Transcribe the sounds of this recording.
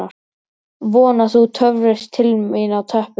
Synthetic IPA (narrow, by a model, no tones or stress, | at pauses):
aɾ̥ | vɔːnaθut̪ʰœvɾɪst̪ʰːɪlinawt̪ʰœhp